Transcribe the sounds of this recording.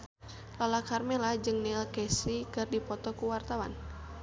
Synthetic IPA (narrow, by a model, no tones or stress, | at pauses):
lalakarmɛlad͡ʒɨŋnilkɛsikɨrdipɔt̪ɔkuwart̪awan